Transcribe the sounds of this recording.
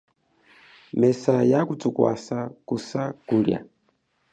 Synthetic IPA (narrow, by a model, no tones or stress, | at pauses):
mɛsajakut͡sukwa̰sakusakuɾja̰